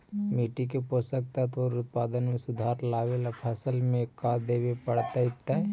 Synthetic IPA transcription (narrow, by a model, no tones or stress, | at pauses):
miːʈik̬epoːsək̚t̪at̪oːɾʊt̪̚paːd̪ənmẽsʊd̪ʱaːɾlaːʋelapʰɐsəlmẽkad̪eːʋepəɽt̪aɪt̪ːaɛ